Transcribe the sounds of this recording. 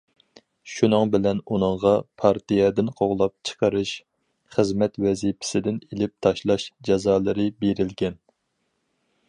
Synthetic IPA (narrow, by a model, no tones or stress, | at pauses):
ʃunɨŋbɪlɛnunɨŋʁɑpʰɑɾt̪ijɛd̪ɪnqʰoʁlˠɑp̚t͡ʃʰə̥qʰɑɾɨʃ | χəzmɛt̪wɛzipʰɪ̥sɪd̪ɪnelɪp̚t̪ʰɑʃlˠɑʃd͡ʒɛzɑːlˠɨɾɨbeɾɪlɡʲɛn